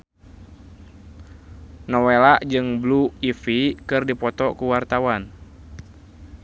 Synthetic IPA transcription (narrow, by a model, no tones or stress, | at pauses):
nɔwelaʔd͡ʒɨŋbluifikɨrdipɔt̪ɔkuwart̪awan